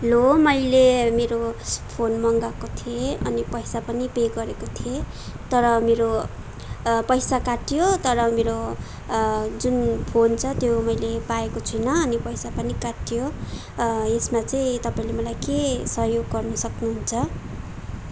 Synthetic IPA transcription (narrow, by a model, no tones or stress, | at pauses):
lomʌjlemeɾopʰonmʌŋɡakot̪ʰieʌnipʌjsapʌnipeɡʌɾekot̪ʰie | t̪ʌɾʌmeɾo | pʌjsakaʈijot̪ʌɾʌmeɾo | d͡zunpʰont͡sʰʌt̪jomʌjlepaekot͡sʰujnʌʌnipʌjsapʌnikaʈijo | esmat͡saĩt̪ʌpaĩlemʌlajkesʌɦjoɡɡʌrnʌsʌknuɦunt͡sʰʌ